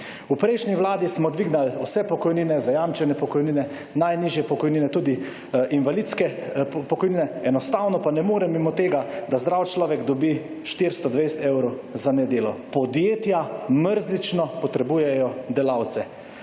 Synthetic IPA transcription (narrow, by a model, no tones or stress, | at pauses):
upɾejʃniʋwlaːd̪ismɔd̪ʋiɡnalusɛpɔkɔjninɛzajamt͡ʃɛnɛpɔkɔjniːnɛ | najniʒjɛpɔkɔjniːnɛt̪uːd̪i | ʔinʋalit̪skɛpɔkɔjniːnɛɛnɔst̪awnɔpanɛmoːɾɛmimɔt̪eːɡad̪azd̪ɾaːwt͡ʃlɔːʋɛɡd̪ɔbi | ʃt̪iɾst̪ɔd̪ʋejst̪ɛwɾɔw | zanɛd̪eːlɔpɔd̪jeːt̪jaməɾznit͡ʃnɔpɔt̪ɾɛbuːjɛjɔd̪ɛlaːwt̪sɛ